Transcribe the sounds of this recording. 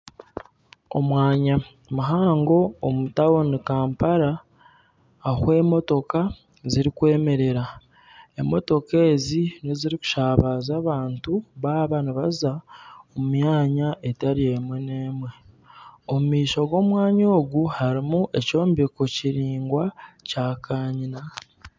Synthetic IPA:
o̞̰mwaːɲa | muɦaːŋɡo̞omutawo̞nikaːmpaɾa | hwe̞ːmo̞to̞ka | ziɾikwe̞ːme̞ɾe̞ɾa | emo̞̰to̞ke̞ːzineziɾiku̥ʃaːβazaːβaːntuβaːβaniβazaomumjaːɲaʔe̞taɾie̞mwene̞ːmwe̞ | omumiːʃo̞ɡo̞ːmwaːɲoːɡuhaɾimuʔe̞co̞ːmbiko̞ciɾiːŋɡwacaːkʰaːɲina

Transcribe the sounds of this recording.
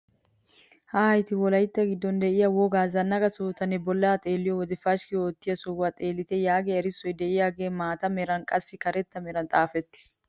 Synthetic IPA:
hɐhɐjt̪ɪwɔlɐjt̪ːɐɡɪd̪ːɔnd̪ɛʔɪjawɔɡaːzɐnːɐɡɐsoːt̪ɐnɛbɔlːaːt̪ʼe̞ːlːɪjɔwɔd̪ɛfɐʃkɪoːt̪ːɪjɐsʊwːat̪ʼe̞ːlːɪt̪ɛjaːɡeɛɾɪsːɔjd̪ɛʔɪjaːɡe̞ːmaːt̪ɐmɛɾɐnkʼɐsːɪkɐɾɛt̪ːɐmɛɾɐnt̪ʼaːfɛt̪ːɪ̥s

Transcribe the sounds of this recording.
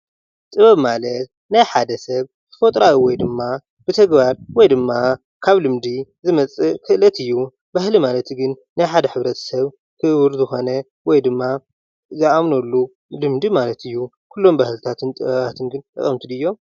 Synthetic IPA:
t̪ʼɨβɐβmalɐt̪̚ | najħad̪ɐsɐβ | kɨ̥fot̪ʼɾaiwɔjd̪ɨmːa | b̥ɨt̪ʰɐɡbaɾwɔjd̪ɨmːa | kʰaβlɨmd̪izɨmɐt͡sʼɨkʰɨlɐt̪ʰɨjːu | bahlimalɐt̪ɡɨn | najħad̪ɐħɨβɾɐt̪ʰɐ̥sɐβ | kʰɨβɨɾzɨxo̞nɐ | wɔjd̪ɨmːa | ziʔamnolːu | lɨmd̪imalɐt̪ʰɨjːu | kʰulːo̞mbahlt̪ʰat̪ʰɨnt̪ʼɨβɐβat̪ʰɨnɡɨnt̪ʼɨ̰χʼɐmt̪ʰɨd̪ɨjːo̞m

